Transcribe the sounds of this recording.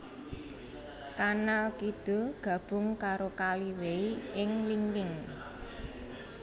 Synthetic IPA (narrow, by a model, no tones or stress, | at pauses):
kanalkid̪̥o̤ɡ̥ä̤b̥ʊ̤ŋkaɾokaliweiʔɪŋliŋɡɪŋ